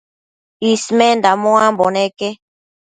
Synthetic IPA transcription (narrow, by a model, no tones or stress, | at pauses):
ismend̪amõamboneke